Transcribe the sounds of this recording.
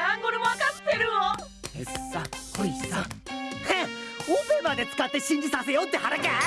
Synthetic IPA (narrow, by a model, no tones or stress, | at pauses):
ãŋkoɾemoakat̪ːeɾɯo | esahoisaheobemad̪e̞t͡sɨ̥kat̪ːe̞ɕĩɲ̟d͡ʑisase̞jot̪ːe̞ɦaɾake